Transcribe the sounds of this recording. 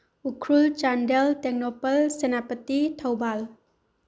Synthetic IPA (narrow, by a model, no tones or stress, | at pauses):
ukʰɾult͡ʃandeltɛk̚nɔpəlsenapətitʰəwbal